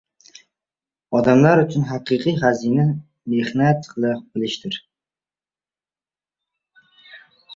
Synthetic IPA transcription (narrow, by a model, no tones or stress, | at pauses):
ɒd̪amlaɾʊt͡ʃʰʊnɦaqɨqʰɨjɦazina | mehnat̪qʰɨlˠɪq̚bɪlɪʃt̪ɪɾ